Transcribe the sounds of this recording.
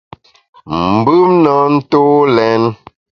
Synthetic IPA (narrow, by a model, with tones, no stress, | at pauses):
m̩˨bɯ˦mnɔ˨˦n̩˦to˦lɛ˨˦n